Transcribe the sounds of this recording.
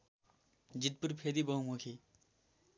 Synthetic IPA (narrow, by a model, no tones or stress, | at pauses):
d͡ʒit̪̚puɾpʰeːd̪ibɐɦumukʰi